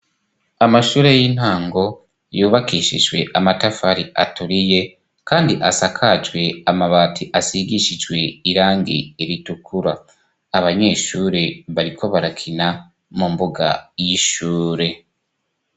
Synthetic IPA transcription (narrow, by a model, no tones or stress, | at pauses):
amaʃuːɾe̞jin̥haːŋɡo̞ | juːβakiːʃḭd͡ʒɡwe̞̰ʔamatafaɾia̰tuɾije̞ | kaːndiʔasakʰad͡ʒwe̞amaβaːtʰiʔasiɡiʃid͡ʒɡwe̞iɾaːŋɡḭeɾitukʰuɾaː | βaɲe̞ːʃuːɾe̞βaɾiko̞βaɾakʰina | mumboɡa̰jiʃuːɾe̞